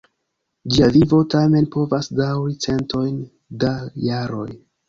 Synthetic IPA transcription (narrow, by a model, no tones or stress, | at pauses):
d͡ʒiavivo̞tame̞npo̞vasdawɾit͡se̞nto̞jn | dajaɾo̞̰j